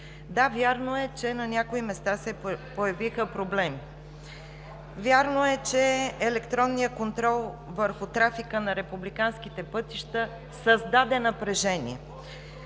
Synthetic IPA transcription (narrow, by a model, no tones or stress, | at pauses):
d̪avʲjaɾnoɛt͡ʃɛnɐnʲakoimɛst̪asɛpojɐvixəpɾoblɛmi | vʲjaɾnoɛt͡ʃɛːlɛkt̪ɾɔnːijəkont̪ɾɔlˠvəɾxʊt̪ɾafikənɐɾɛpublikansk̟it̪ɛpɤt̪iʃt̪ə | səzd̪ad̪ɛnɐpɾɛʒɛnḭɛ